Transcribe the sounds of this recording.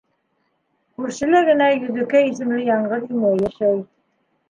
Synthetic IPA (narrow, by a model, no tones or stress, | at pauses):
kʉɾʃɘ̆lɘɡɘ̆næjɵ̆ðɘ̆kæis̬ɘ̆mlɘjɑɴʁɤðimæjæʃæj